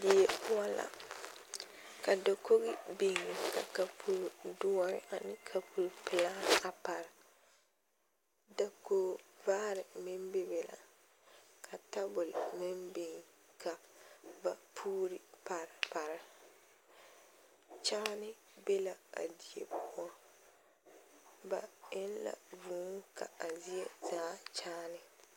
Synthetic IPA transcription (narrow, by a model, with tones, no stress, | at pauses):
di˨je˨pʊ˦a˦la̰˨ | ka˨do˨ko˦ɣɪ˦bɪ˨ŋɪ˨ka̰˨ka˨pʰu˦ɾdʊ˦ɔ˦ɾɪ̰˦ʔa˨nɪ˦kʰa˨pʰu˨lpɪ˨la˦ka˨pa˨ɾɪ˨ | da˨koː˦vaː˦ɾɪ˨mɪ˦mbe˦bɛ˨la̰˨ | kʰa˨ta˦bʊ˨lmɪ˦mbɪ˨ŋ | kʰa˨ba˨pʰuː˦ɾi˦pa˨ɾɪ˨pa˨ɾɪ˦ | t͡ʃaː˦nɪ˦ | be˦la˨a̰˨di˨jḛ˦pʊ˦ɔ˦ | ba̰˨ɪ˦nla̰˨vuː˨˦kʰa̰˨a˨zi˦e˦zaː˨˦t͡ʃaː˦nɪ˨